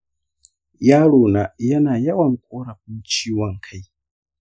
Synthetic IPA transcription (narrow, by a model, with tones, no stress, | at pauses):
ja˦ɺu˨na˨ja˦na˨ja˦wa˦ŋ̩kʼɔ˦ɾa˨k̚u˦t͡ʃʰi˦wa˨ŋ̩˨kʰa˨i˦˨